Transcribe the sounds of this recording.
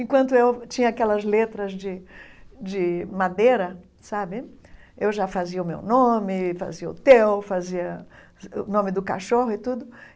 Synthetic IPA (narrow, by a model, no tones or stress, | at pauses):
ẽkwɐ̃nt̪ʊewt͡ʃĩɲɐakɛlɐzlet̪ɾɐzd͡ʒɪ | d͡ʒɪmad̪eɾɐ | sabɪewʒafaziɐʊmḛwnõmɪfa̰ziɐʊ̰t̪ewfaziɐ | ʊ̰nõmɪd̪ʊka̰ʃoɦʊɪt̪ud̪ʊ